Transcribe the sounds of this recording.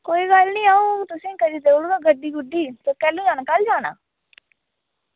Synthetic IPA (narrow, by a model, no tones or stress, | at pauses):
koːiːɡəlnĩːaːũːt̪ʊsĩːkəɾiːt̪eːʊɽɡãːɡəɖːiːɡʊɖiːt̪ekɛːlũːd͡ʒaːnaːkəld͡ʒaːnã̰ː